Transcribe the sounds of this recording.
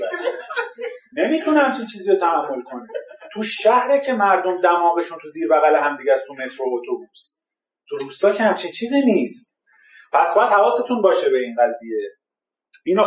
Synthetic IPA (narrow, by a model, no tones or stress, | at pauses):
ne̞miːt̪ʰunhæmt͡ʃʰint͡ʃʰiːziːɾot̪ʰææmːolkʰo̞nit̪ʰuʃæhɾecʰe̞mæɾd̪o̞md̪æmɒːɣeʃunt̪ʰuziːɾbæɣæleɦæmd̪iɟæst̪ʰume̞t̪ʰɾo̞ot̪ʰobus | t̪ʰuɾuːst̪ɒːkcʰehæmt͡ʃʰint͡ʃʰiːziniːst̪ | pʰæsbɒːjæd̪̥hævɒːset̪ʰunbɒːʃebe̞iːnɢæzije̞ | ino